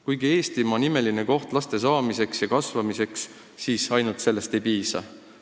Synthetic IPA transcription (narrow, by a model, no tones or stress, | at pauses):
kujɡie̞ːst̪imɑnime̞line̞ko̞ht̪lɑst̪e̞s̬ɑːmise̞ksjɑkɑsvɑmise̞ks | siːsɑjnult̪se̞lːe̞st̪e̞jpiːsɑ̰